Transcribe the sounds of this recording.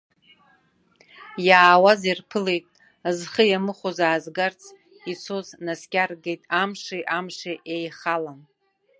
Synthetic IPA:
jaːwazirpʰɨlejtʼ | azχəjamɨχʷozaːzɡart͡sʰ | it͡sʰoznaskʲʼarɡejtʼamʂiʔamʂiʔejχalam

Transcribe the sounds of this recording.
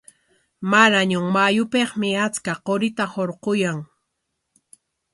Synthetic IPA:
maɾaɲʊŋmajʊpeχmɪat͡skaqoɾɪt̪ahoɾqojaŋ

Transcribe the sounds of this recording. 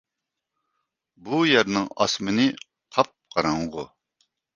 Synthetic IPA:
bujæɾnɪŋɑ̰smɪnɪ | qʰɑp̚qɑɾɑŋʁo

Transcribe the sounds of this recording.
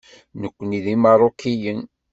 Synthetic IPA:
nəkʷːəniðimɑɾˤokːijən

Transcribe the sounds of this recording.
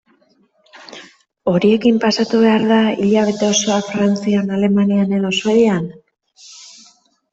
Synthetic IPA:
o̞ɾie̞kimpasat̪uβe̞aɾðaiʎaβe̞t̪e̞o̞soafɾant͡sianale̞maniane̞ðosβe̞ðian

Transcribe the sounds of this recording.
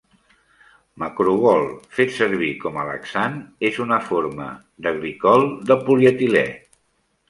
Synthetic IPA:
məkɾuβɔlˠfet̪səɾβikɔmələ̰ksanezunəfoɾmə̰ | d̪əɣɾikɔlˠd̪əpuljət̪ilɛ̰

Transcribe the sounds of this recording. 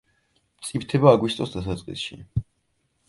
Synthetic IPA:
mt̪sʼipt̪ʰɛbaːɡwist̪ʼɔsd̪asat̪sʼqʼḭsʃḭ

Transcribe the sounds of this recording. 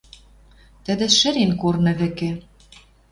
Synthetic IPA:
t̪ɘ̆d̪ɘ̆ʃɘ̆ɾenkornɤ̆βɘ̆kĕ

